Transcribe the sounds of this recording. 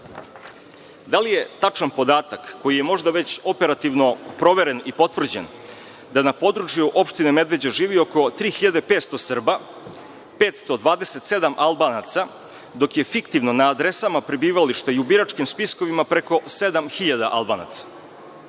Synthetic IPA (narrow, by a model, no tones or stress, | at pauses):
d̪alije̞t̪at͡ʂanpo̞d̪aːt̪akːo̞jije̞mo̞ʒd̪aʋe̞t͡ɕo̞pe̞ɾat̪iʋno̞pɾo̞ʋeɾe̞nipo̞t̪ʋr̩d͡ʑe̞̰n | d̪anapo̞d̪ɾut͡ʃjuʔo̞pʃt̪ineme̞d̪ʋe̞d͡ʑeʒiːʋio̞ko̞t̪ɾiːxiʎad̪epeːt̪st̪o̞sr̩ba | peːt̪st̪o̞d̪ʋaːd̪eset̪se̞d̪amʔalˠbaːnat̪sa | d̪o̞kje̞fikt̪iʋno̞naːd̪ɾe̞samapɾibiːʋaliʃt̪aiubiɾat͡ʃkimspiskoʋimapɾeko̞se̞d̪amxiʎad̪a̰ʔalˠbaːna̰t̪sḁ